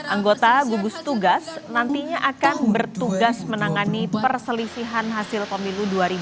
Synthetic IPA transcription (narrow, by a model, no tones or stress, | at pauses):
ʔaŋɡot̪aɡuɡust̪uɡasnant̪iɲaʔakanbərt̪uɡasmənaŋanipərsəlisiɦanɦasɪlpəmiluduaɾibu